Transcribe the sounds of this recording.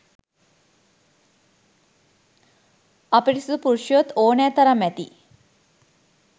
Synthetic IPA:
ɐpiʈisud̪upuɾʃjʋot̪oːnaːt̪ɐɾɐmːɛt̪ḭ

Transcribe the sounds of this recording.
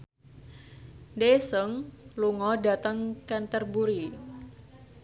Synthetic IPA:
ndesəŋluŋɔda̤t̪əŋkɛnt̪ərbuɾi

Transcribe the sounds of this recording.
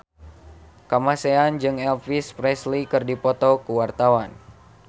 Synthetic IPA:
kamaseand͡ʒɨŋɛlfispɾɛslikɨrdipɔt̪ɔkuwart̪awan

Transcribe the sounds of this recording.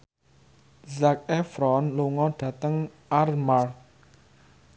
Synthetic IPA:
zak̚ɛfɾɔnluŋɔɖ̥ä̤t̪əŋ | armar

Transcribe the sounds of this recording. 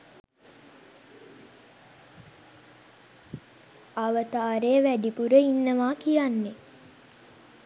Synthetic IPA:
aʋət̪aːɾejəʋæɖipuɾəinːəʋaːkijanːe

